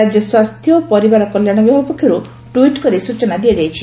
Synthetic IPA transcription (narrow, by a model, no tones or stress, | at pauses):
ad͡ʒjɔswast̪ʰjɔpɔɾibaɾɔkɔljaɽ̃ɔbjɔɦɔpɔkʰjɔɾu | ʈuiʈkɔɾisut͡ʃɔnad̪ied͡ʒajt͡ʃʰi